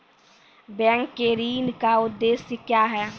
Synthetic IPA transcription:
bɛ̃ːŋkːeɾiːnkaʊd̪ːeːsəkjaːɦɛː

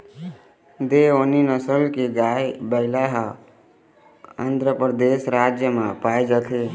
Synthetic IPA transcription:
d̪eoninəsəlkeɡaːjebəɪlaɦ | ənd̪ʱɾəpɾəd̪eːsɾaːd͡ʒjəmãpaːjd͡ʒət̪ʰe

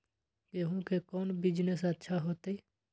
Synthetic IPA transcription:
keːɦũkekɔːnbɪd͡ʒnesətːʃʰaɦoːt̪e

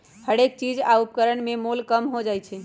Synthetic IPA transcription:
həɽek̚t͡ʃid͡ʒaupkəɾəɳmemolkəmɦod͡ʒajt͡ʃʰɛ

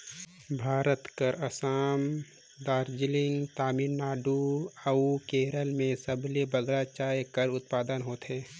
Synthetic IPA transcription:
bʱaːɾət̪kəɾəsaːm | d̪aːɾd͡ʒɪlɪ̃ŋɡt̪aːmɪnnaːɖuəukeːɾəlmẽsəblebəɡɾat͡ʃaːjkəɾʊt̪̚paːd̪ənɦoːt̪ɦeː

